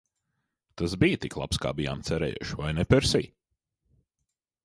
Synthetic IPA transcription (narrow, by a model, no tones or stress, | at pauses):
t̪asbijt̪iklˠa̰pska̰ːbija̰mt̪sɛɾɛ̰ːjṵʃvajnɛpɛɾsḭː